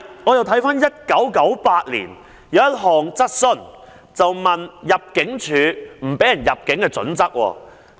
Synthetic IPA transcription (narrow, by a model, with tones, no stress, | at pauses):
ŋɔː˨˧jɐ˨wt̪ʰɐ˨˥jfaː˥njɐ˥t̚kɐ˨˥wkɐ˨˥wpaː˧t̚lḭː˨˩n | jɐ˨˧wjɐ˥t̚ɦɔː˨ŋt͡sɐ˥t̚sɵ˥˩n | t͡sɐ˨wmɐ˨njɐ˨p̚kɪ˨˥ŋt͡ʃʰyː˨˧m̩˨˩pe˨˥jɐ˨˩njɐ˨p̚kɪ˨˥ŋkɛː˧t͡sɵ̰˨˥nt͡sɐ˥k̚wɔ̰ː˧